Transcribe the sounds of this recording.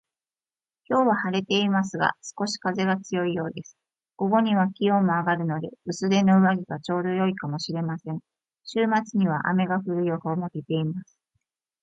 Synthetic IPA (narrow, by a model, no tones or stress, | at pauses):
kʲo̞ːβahaɾe̞t̪e̞imas̬ɨɡa̰sɨ̥ko̞ɕi̥kaze̞ɡat͡sɨjo̞ijo̞ːd̪e̞sɨ̥ | ɡ̥o̞ɡo̞ɲ̟iβ̞akʲijo̞ːmo̞aɡaɾɯ̟no̞d̪e̞ɯ̟sɨd̪e̞no̞ɯ̟βaɡʲiɡat͡ɕo̞ːd̪o̞jo̞ikamo̞ɕiɾe̞masẽ̞ɴ | ɕɨːmat͡sɨɲ̟iβ̞aʔa̰me̞ɡaɸɯ̟ɾɯ̟iohoːmoket̪e̞imasɨ̥